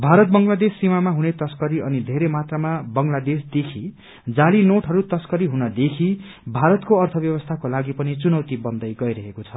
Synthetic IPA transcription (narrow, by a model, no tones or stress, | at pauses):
bʱaɾʌt̪̚bʌŋlad̪esːimamaɦunet̪ʌskʌɾiʌnid̪ʱeɾemat̪ramabʌŋlad̪esd̪ekʰi | d͡zalinoʈʰɦʌɾut̪ʌskʌɾiɦunʌd̪ekʰi | bʱaɾʌt̪koʌrt̪ʰʌbjʌβʌst̪ʰakolaɡipʌnit͡sunʌwt̪ibʌnd̪ʌjɡʌjɾʌɦekot͡sʰʌ